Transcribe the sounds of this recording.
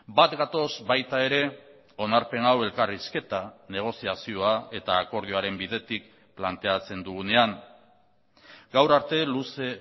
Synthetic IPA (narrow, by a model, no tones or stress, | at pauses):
bat̪ɡat̪o̞zbajt̪ae̞ɾe̞ | o̞naɾpe̞nawe̞lkariske̞t̪ane̞ɣ̞o̞siasio̞ae̞t̪aːko̞ɾð̞ioaɾe̞mbiðe̞t̪ik̚ | plant̪e̞at͡se̞nd̪uɣune̞aŋ | ɡawɾaɾt̪e̞luse